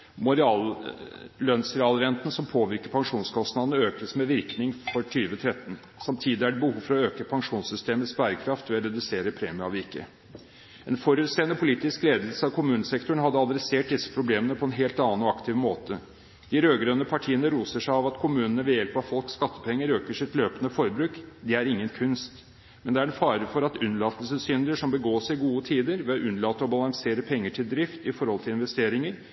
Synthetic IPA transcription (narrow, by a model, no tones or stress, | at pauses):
mʊɾɛɑl | lœnsɾɛɑːlɾɛnt̪nəsɔmpʰoːʋɪɾkəpʰɑŋʂuːnskʰɔst̪nɑd̪nəøːkəsmɛʋɪɾknɪŋfɔʈʰyːʋət̪ʰɾɛt̪ːn̩ | sɑmt̪ʰiːd̪ɪæɖɛbəhuːfɔɾɔøːkəpʰɑŋʂuːnsʏst̪eːməspæːɾəkʰɾɑft̪ʋɛɑɾɛd̪ʉseːɾəpʰɾeːmɪɑʋikːə̰ | ɛnfɔɾʉːt̪seːnəpʰʊliːt̪ɪskleːd̪l̩səɑʋkʰʊmʉːnəsɛkt̪ʊɳ̩ɦɑd̪ːəɑd̪ɾɛseːʈ̚d̪ɪsːə̥pʰɾʊbleːmənəpʰɔɛnɦeːlt̪ɑːnɔɑkt̪ʰɪʋmoːt̪ə | d̪̥ɪɾøːɡɾœnːəpʰɑʈʰiːənəɾuːsəʂæɪɑʋɑt̪kʰʊmʉːnənəʋɛjɛlpɑʋfɔlkskɑt̪ːə̥pʰɛŋːəɾøːkəʂɪt̪løːpənəfɔɾbɾʉːkd̪ɛæɾɪŋːənkʰʉnst̪ | mɛnd̪ɛæɾɛnfɑːɾəfɔɾɑt̪ʉnlɑːt̪əlsəsʏnd̪ɾəʂɔmbəɡoːsɪɡuːət̪ʰiːd̪əɾʋɛɔʔʉnlɑːt̪ːəɔbɑlɑŋseːɾəpʰɛŋːəʈʰɪld̪ɾɪft̪ɪfɔɾhɔlt̪ʰɪlɪnʋɛst̪eːɾɪŋəɾ